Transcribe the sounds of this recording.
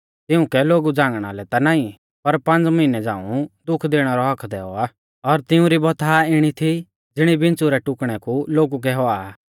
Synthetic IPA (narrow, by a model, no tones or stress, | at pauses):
t̪ɪũkɛloːɡud͡zãːŋɡɽ̃a̰lɛt̪anaːĩ | pɐɾpɐ̃nt͡smɐɪnɛd͡zã̰ːṵ̃d̪ʊkʰd̪eːɽ̃aɾɔɦɐkʰd̪ɛːɔa | ɔɾt̪ɪũɾibɔt̪ʰaɪɽ̃it̪ʰi | d͡zɪɽ̃ibɪ̃nt͡suɾɛʈʊkɽ̃ɛkuloːɡuk̬ɛɦɔa